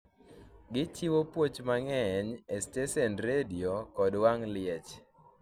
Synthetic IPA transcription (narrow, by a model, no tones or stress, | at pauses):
ɡɪt͡ʃiwopwot͡ʃmaŋɛɲesteʃɛnɾediokɔdwaŋlɪɛt͡ʃ